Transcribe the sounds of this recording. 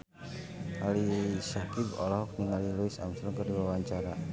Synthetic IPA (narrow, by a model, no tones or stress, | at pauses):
alisakibɔ̰lɔɦɔk̚ninalilɔisa̰msɾɔkəɾiwawaɲt͡ʃaɾa